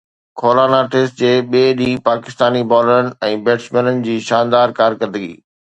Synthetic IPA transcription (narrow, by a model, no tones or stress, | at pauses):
kʰoːlanaʈɪsʈd͡ʑeːɓieɗĩːpaːkɪst̪aːnibɔːləɾənɪ̆ɛ̃ːbeːʈsmɛːnənɪ̆d͡ʑiːʃãːnd̪aːɾkaːɾkəɾd̪əɡḭː